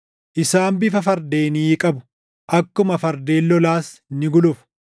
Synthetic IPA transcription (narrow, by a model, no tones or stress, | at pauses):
ʔɪsaːmbɪfɐfɐɾd̪eːniːkʼɐbʊ̥ | ʔɐkːʊmɐfɐɾd̪e̞ːlːɔlaːsnɪɡʊlʊf